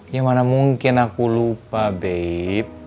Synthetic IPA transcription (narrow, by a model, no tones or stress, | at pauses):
jamanamuŋkinakulupabɛiip̚